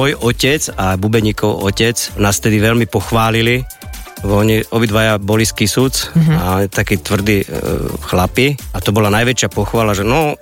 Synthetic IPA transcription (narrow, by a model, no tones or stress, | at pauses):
ɔjɔcɛt͡sabubɛɲiːkɔʊɔcɛt͡snaːsft̪ɛd̪iʋɛlmipɔxʋaːlili | ɔɲiʔɔbid̪ʋajabɔliskisut͡saɔit̪akiːt̪ʋr̩d̪iːxlapiat̪ɔbɔlanajʋɛt͡ʃɪapɔxʋaːlaʒɛnɔ